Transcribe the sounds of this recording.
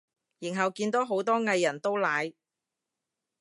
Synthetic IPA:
ji˨˩nɦɐ˨˩wkiː˧nt̪o˨˥wɦo˨˥wt̪ɔː˥ŋɐ˧jːɐ˨˩nt̪o˥wlaː˨˧j

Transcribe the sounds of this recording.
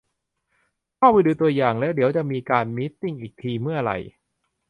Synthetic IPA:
kʰaː˥˩wpa˧jduː˧t̪u˧ɐjaː˨˩ŋlɛː˦˥wdi˩˦əwt͡ɕa˨˩ʔmiː˧kaː˧nmi˦˥t̪ːi˥˩ŋʔiː˨˩k̚t̪ʰiː˧mɯ˥˩ɐɾa̰˧j

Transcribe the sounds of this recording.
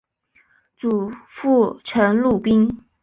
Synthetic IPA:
t͡su˨˩fu˥˩ʈ͡ʂʰə˧˥nlu˥˩pi˥ŋ

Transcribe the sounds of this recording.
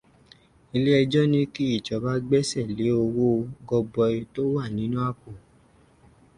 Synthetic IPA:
i˧le˦ɛ˧d͡ʒɔ˦nĩ˦ki˦i˦˨t͡ʃɔ˨˦ba˦ɡ͡bɛ˦sɛ˦˨le˨˦o˧wo˦˧ɡɔ˧bɔ˧i˧to˦wa˦˨nĩ˨˦nũ˦a˦˨ko˨

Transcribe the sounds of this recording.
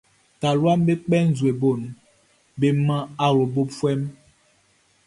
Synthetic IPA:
ta˨lwa˦mbe˦k͡pɛ˦n̩˨zwe˨bo˦˨n | be˨mã˦a˦wo˨bo˦pfwɛ˦m

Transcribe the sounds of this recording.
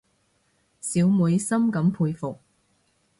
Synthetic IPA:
siː˨˥wmuː˨˧jsɐ˥mkɐ˨˥mpʰuː˧jfʊ˨k̚

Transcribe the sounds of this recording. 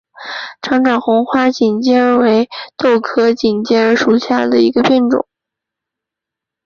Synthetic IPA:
ʈ͡ʂʰɑ˧˥ŋʈ͡ʂɑ˨˩ŋxʊ˧˥ŋxwa˥t͡ɕi˨˩nt͡ɕjɛ˥ə˧˥we˧˥ɪt̪o˥˩ʊkʰɤ˥t͡ɕi˨˩nt͡ɕjɛ˥ə˧˥ʂu˨˩ɕja˥˩d̪ə˩i˧˥ɡə˧pjɛ˥˩nʈ͡ʂʊ̰˨˩˦ŋ

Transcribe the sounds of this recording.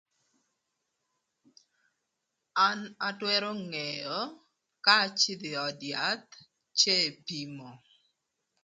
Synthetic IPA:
a˦na˨twɛ˦ɾɔ˦ŋɛ˨jɔ˨˦ | ka˦t͡ʃɪ˦d̪ɪ˨ɔ˨dja˨˦t̪̚ | t͡ʃe˦˨pi˨mɔ˨

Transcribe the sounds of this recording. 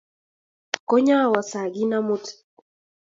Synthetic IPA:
ko˦ɲa˦˨wa˨sa˨ɡi˦na˦mʊ˦t

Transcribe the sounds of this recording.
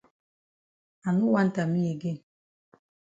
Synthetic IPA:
a˨nu˦wa˦n˦˨ta˨mi˦e˨ɡe˦

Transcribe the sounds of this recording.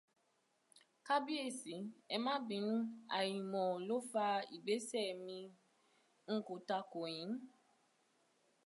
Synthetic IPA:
ka˦bi˦e˦˨si˨ɛ˧mã˦bĩ˨˦n̩˦a̰˨jĩ˨mɔ̃˨lo˦fa˧ḭ˨ɡ͡be˨˦sɛ˦˨mĩ˧ | ŋ̩˦ko˨ta˧ko˨j̃ĩ˨˦n˦

